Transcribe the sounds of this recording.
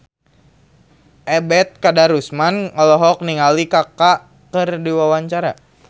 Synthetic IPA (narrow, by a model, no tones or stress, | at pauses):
ʔɛbɛt̪̚kadaɾusmanɔlɔɦɔk̚niŋalikakaʔ | kərdiwawaɲt͡ʃaɾa